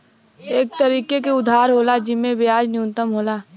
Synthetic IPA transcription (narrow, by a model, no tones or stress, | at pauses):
eːk̚t̪ɐɾiːkekeʊd̪ʱːaːɾɦoːlad͡ʒɪmːẽbɪjaːd͡ʒnɪjuːnt̪əmɦoːlaː